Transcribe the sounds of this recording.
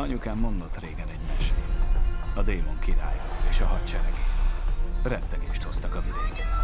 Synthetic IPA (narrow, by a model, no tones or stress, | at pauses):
ɒɲukaːmːo̞nd̪o̞t̪reːɡɛnɛɟmɛʃeːt̪ɒd̪eːmo̞ŋkiɾa̰ːjroːeːʃɒɦɒtt͡ʃɛɾɛɡeːt̪rɛt̪ːɛɡeːʃt̪ho̞st̪ɒkɒvid̪eːkɛn